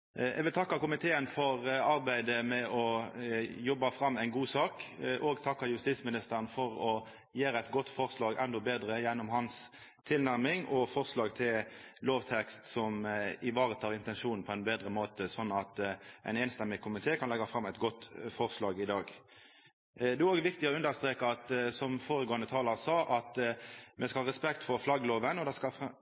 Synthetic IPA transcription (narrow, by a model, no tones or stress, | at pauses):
ɛ̰ɡʋɪlt̪ʰɑkːɑkʊmɪt̪ʰeːənfɔʁɑʁbæɪd̪əmɛɔ | jɔbːɑfɾɑmːæɪnɡuːsɑːkʔoːɡt̪ʰɑkːɑjʉst̪iːsmɪnɪst̪əʁnfɔʁɔ | jeːɾəæɪt̪ɡɔt̪ːfɔʁslɑːɡɛnd̪ɔbeːd̪ɾəjɛnːɔmhɑns | t̪ʰɪlnæʁmɪŋɔfɔʁslɑːɡt̪ʰɪlloːʋt̪ʰɛkst̪sɔmɪʋɑːʁət̪ʰɑːʁɪnt̪ɛnʂuːnn̩pʰɔɛnbeːd̪ʁəmoːt̪əsɔnːɑt̪ʔæ̰ɪnɛnst̪ɛmːɪkʰʊmɪt̪ʰeːkʰɑnlɛɡɑfʁɑmæɪt̪ɡɔt̪ːfɔʁslɑːɡɪd̪ɑːɡ | d̪ɛæoːɡəʋɪkt̪ɪɔʉnd̪əʁst̪ɾeːkəɑt̪sɔmfoːʁəɡoːənət̪ʰɑːləʁsɑːʔɑt̪mɛskɑhɑːʁɛspɛk̚t̪fɔʁflɑɡəloːʋənɔd̪ɛskɑf